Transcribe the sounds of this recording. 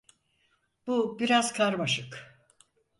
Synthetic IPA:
b̥ubiɾazkʰaɾmaʃɯk

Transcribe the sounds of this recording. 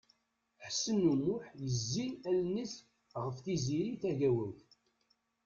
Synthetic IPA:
ħsːənːumːʊħjəzːiælnis | ʁəfθiziɾiθæʝæwæθ

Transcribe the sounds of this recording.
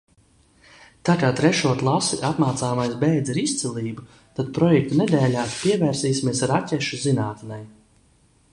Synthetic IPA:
t̪akaːt̪ɾɛʃuɔk̪lˠasiʔat̪maːt̪saːmajsbɛjd̪ziɾist̪silˠiːbu | t̪ad̪pɾɔjɛk̚t̪unɛd̪ɛːlʲaːpiɛvɛːɾsiːsimiɛsaɾacʲɛʃuzinaːt̪nɛj

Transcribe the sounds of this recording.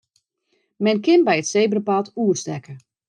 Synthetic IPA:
mɛnkɪnbɛjətsejbərəpatuərstɛkə

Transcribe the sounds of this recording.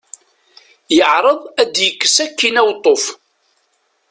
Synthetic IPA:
jəʕɾˤəðˤæd̪jəkːə̥sækːinæwt̪ˤːof

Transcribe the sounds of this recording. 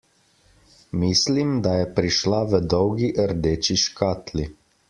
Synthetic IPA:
miːslimd̪ajɛpɾiʃlaʋəd̪ɔwɡiʔəɾd̪eːt͡ʃiʃkaːt̪li

